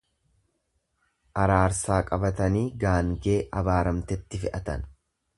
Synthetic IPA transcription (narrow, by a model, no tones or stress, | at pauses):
ʔɐɾaːɾsaːkʼɐbɐt̪ɐniːɡaːŋɡe̞ːʔɐbaːɾɐmt̪ɛt̪ːɪfɪʔɐt̪ɐ̰n